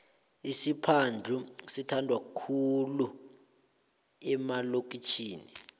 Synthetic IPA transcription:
isipʰand͡ɮʱusitʰandʱwakkʰulu | ɛmalok̬ʼit͡ʃʰiːni

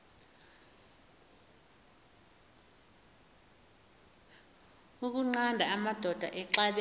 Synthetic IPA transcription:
uk̬uŋ͡ǀandʱaamad̥ʱɔd̥ʱa̰ʔɛǁaɓɛ

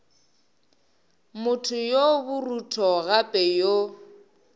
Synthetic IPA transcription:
mʊtʰʊjobʊrutʰɔɣapʼɛjo

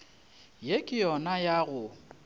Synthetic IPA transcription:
jekʼɪjɔnajaɣʊ

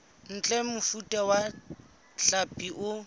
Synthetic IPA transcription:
n̩t͡ɬʼɛmʊfutʼawa | ɬapʼiʔʊ

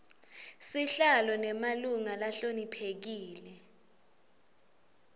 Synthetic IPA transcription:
siɬalɔnɛmaluŋalaɬonipʰek̬iːlɛ

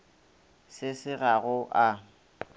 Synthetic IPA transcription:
sɪsɪɣaɣʊʔa

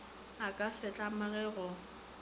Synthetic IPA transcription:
akʼasɛt͡ɬʼamaɣɛɣɔ

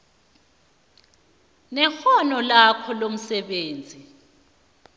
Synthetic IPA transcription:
nɛxɔnɔlakʰɔlom̩sɛɓeːnd͡zʱi

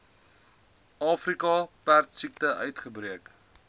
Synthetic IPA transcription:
ɑːfrikɑpærtsik̚təʔœɥtχəbriək

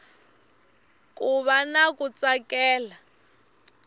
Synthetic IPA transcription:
kʼuβanakʼut͡sʼakʼɛːla

